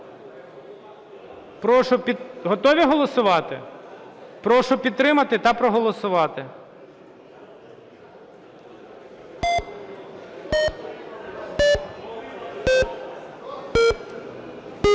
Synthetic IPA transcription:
pɾɔʃʊpʲiɦɔt̪ɔʋʲiɦɔlˠɔsʊʋɑt̪ɪ̰ | pɾɔʃʊpʲid̪t̪ɾɪmɐt̪ɪt̪ɑpɾɔɦɔlˠɔsʊʋɑt̪ɪ

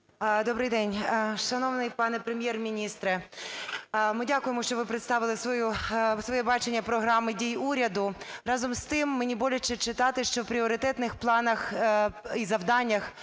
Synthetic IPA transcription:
d̪ɔbɾɪjd̪ɛnʲʃɐnɔʋnɪjpɑnɛpɾemʲjɛrmʲinʲist̪ɾɛ | mɪdʲakʊjemɔʃt͡ʃɔʋɪpɾet̪st̪ɑʋɪlˠɪsʋɔjusʋɔjɛbɑt͡ʃenʲːɐpɾɔɦɾɑmɪdʲijuɾʲɐd̪ʊɾɑzɔmst̪ɪmːenʲibɔlʲʊt͡ʃːɛt͡ʃɪt̪ɑt̪ɪʃt͡ʃɔwpɾʲiɔɾɪt̪ɛt̪nɪxplˠɑnɐx | izɐwd̪ɑnʲːɐx

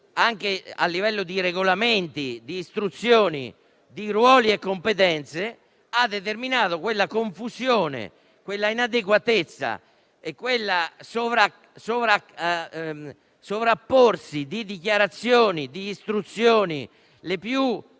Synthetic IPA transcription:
aŋk̟ea̰lːivɛlːod̪iɾeɡolament̪id̪iːst̪ɾut̪sːjoːnḭ | d̪irwɔːliekːompet̪ɛnt̪se | ad̪ːet̪̬erminaːðokwelːakoɱfusjoːnḛ | kwelːainad̪ek̬wat̪et̪sːa̰ | ekːwelːasovɾa | sovɾa | sovɾapːorsid̪id̪ikjaɾat̪sːjoːnid̪iːst̪ɾut̪sjoːnḭ | lepju

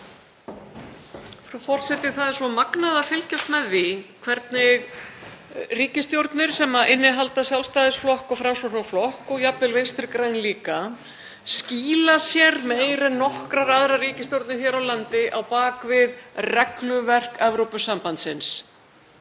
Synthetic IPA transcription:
fɾufɔr̥sɛt̪ɪ̥θaðɪɾ̥sɔmaknaðafɪlcɛft̪mɛðːɪkʰvɛɾt̪nɪɣ | riːcɪst̪jowɾt̪nɪɾ̥sɛmːaʔɪnːɪɦalt̪asjalst̪aːðɪsflɔhkɔɣfɾamsɔɾnaflɔhkɔɣjapvɪlvejnst̪ɾɪɾkɾajnliːka | sciːlasjɛɾmeːjɾɛnnːɔhkɾaraðɾariːcɪst̪jowɾt̪nɪɾ̥çɛːɾawlant̪ɪʔawpaːkvɪðrɛklʏvɛr̥kɛvɾowpʏsampant̪sɪns

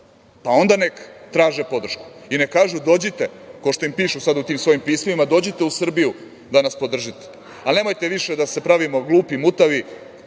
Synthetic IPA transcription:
pao̞nd̪anekt̪ɾaːʒepo̞d̪r̩ʃku̥ine̞kaːʒud̪o̞ːd͡ʑit̪e̞kaoʃt̪oimpiːʃusad̪ut̪iːmsʋo̞jimpiːsmoʋimad̪o̞d͡ʑit̪e̞usr̩biju | d̪anaspo̞d̪r̩ʒit̪e̥ | ane̞ːmojt̪eʋiʃe̞d̪ase̞pɾaʋimoɡlˠuːpimut̪aʋi

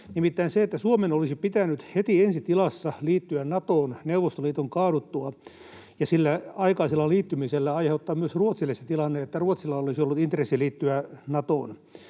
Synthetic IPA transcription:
nimit̪ːæinseet̪ːæsuomenolisipit̪ænyt̪het̪iensit̪ilɑsːɑliːt̪ːyænnɑt̪oːnneuʋost̪oliːt̪oŋkɑːɾut̪ːuɑ | jɑsilːæɑikɑːsilːɑliːt̪ːymiselːæɑiheut̪ːɑːmmyøsruot̪silːeset̪ilɑnːeet̪ːæruot̪silːɑolisiolːut̪int̪resːiliːt̪ːyænɑt̪o̰ːn

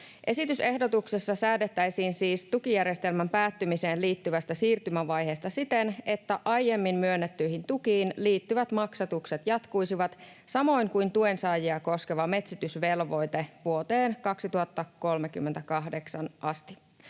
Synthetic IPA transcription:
ʔe̞sit̪yse̞hdo̞t̪ukse̞sːɑsæːdet̪ːæjsiːnsiːst̪ukijæɾje̞st̪e̞lmæmpæːt̪ːymise̞ːnliːt̪ːyʋæst̪æsiːrt̪ymæʋɑjɦe̞ːst̪ɑsit̪e̞ne̞t̪ːæʔɑjje̞mːimmyønːet̪ːyjhint̪ukiːnliːt̪ːyʋæt̪mɑksɑt̪ukse̞t̪jɑt̪kujsiʋɑt̪ | sɑmo̞jŋkujnt̪ue̞nsɑːjiɑko̞ske̞ʋɑme̞t̪sit̪ysʋe̞lʋo̞jt̪e̞ʋuot̪eːnkɑksit̪uhɑt̪ːɑko̞lmek̟ymːent̪ækɑɦde̞ksɑnʔɑst̪i

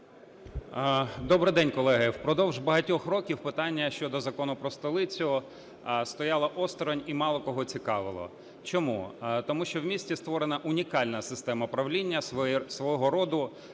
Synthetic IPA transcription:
d̪ɔbɾɪd̪ɛnʲkɔlˠɛɦɪwpɾɔd̪ɔwʒbɐɦɐtʲɔxɾɔkʲiwpɪt̪ɑnʲːɐʃt͡ʃɔd̪ɔzɐkɔnʊpɾɔst̪ɔlˠɪt͡sʲʊ | st̪ɔjɑlˠɐʔɔst̪ɾɔnʲimɑlˠɔkɔɦɔt͡sʲikɑʋɪlˠɔ̰ | t͡ʃɔmṵt̪ɔmuʃt͡ʃɔwmʲisʲtʲist̪ʋɔɾenɐʔʊnʲikɑlʲnɐsɪst̪ɛmɐpɾɐwlʲinʲːɐsʋɔɦɔɾɔd̪ʊ

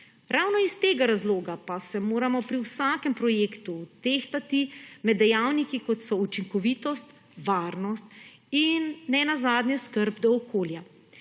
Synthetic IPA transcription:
ɾʔawnɔist̪eːɡaɾazloːɡapasɛmoːɾamɔpɾiwsaːkɛmpɾɔjeːkt̪ut̪eːxt̪at̪imɛd̪ːɛjaːwnikikɔt̪sɔut͡ʃiŋkɔʋiːt̪ɔst̪ | ʋaːɾnɔst̪̚ | inːɛnazaːd̪nɲjɛskəɾbd̪ɔːkoːlja

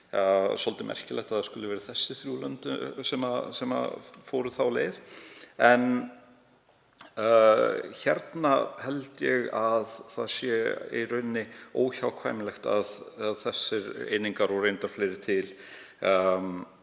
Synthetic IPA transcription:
sɔlt̪ɪmʔɛ̰r̥cɪlɛxt̪aðḁskʏlʏvɛːɾɪθɛsːɪθɾjulœnt̪ʏsɛmasɛma̰fowɾʏθawleːðɛn | çɛɾt̪nahɛlt̪jɛɣaðθaðsjɛḭrʏnːɪoːwçawkʰvajmɪlɛxt̪aðaðθɛsːɪɾḛːjniŋkaɾɔwrejnt̪aɾ̥fleːjɾɪ̥t̪ʰɪl

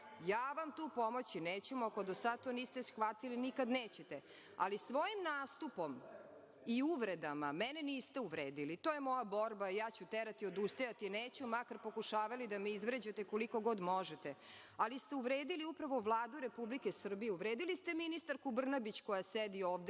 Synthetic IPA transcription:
jaːʋamt̪uːpo̞mo̞t͡ɕineːt͡ɕemuako̞d̪osad̪̚t̪oniːst̪esxʋat̪ilinikad̪neːt͡ɕet̪e | a̰lisʋo̞jimnaːst̪upo̞m | iuʋɾed̪amamɛneniːst̪euʋɾeːd̪ilit̪ojemo̞jabo̞ɾbaijaːt͡ɕut̪eɾat̪iod̪ust̪ojat̪ineːt͡ɕumakaɾpo̞kuʃaːʋalid̪ameizʋɾed͡ʑat̪eko̞liko̞ɡo̞d̪moʒet̪e | alist̪e̞uʋɾeːd̪iliupɾaʋovlˠaːd̪uɾe̞publikesr̩bijeuʋɾeːd̪ilist̪eminist̪aɾkubr̩nabit͡ɕkojased̪ioːʋd̪e

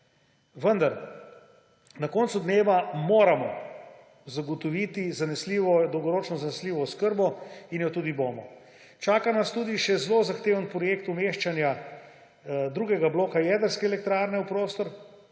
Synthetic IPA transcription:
ʋənd̪aɾ | nakɔːnsud̪neːʋamoːɾamɔ̰ | zaɡɔt̪ɔʋiːt̪izanɛsliʋɔd̪ɔwɡɔɾoːt͡ʃnɔzanɛsliːʋɔskəɾbɔinjɔt̪uːd̪iboːmɔ | t͡ʃaːkanast̪uːd̪iʃɛzlozaxt̪eːʋənpɾɔjekt̪umeʃt͡ʃanja | d̪ɾuːɡɛɡabloːkajɛd̪əɾskɛɛlɛk̚t̪ɾaːɾnɛupɾoːst̪ɔɾ

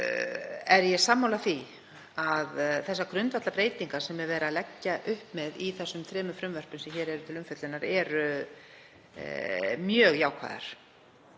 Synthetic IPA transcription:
ɛɾjɛsamːawlaθi | aðθɛsːakɾʏnt̪vaht̪lapɾeːjt̪iŋkasɛmːɛɾvɛːɾalɛcːaʔʏhpmɛðiθɛsːʏmt̪ʰɾɛːmʏfɾʏmvœr̥pʏmsɛmçɛːɾɛɾʏt̪ʰɪlʏmfœt̪lɪnaɾɛɾʏ | mjœːɣjaːwkʰva̰ða̰ɾ̥

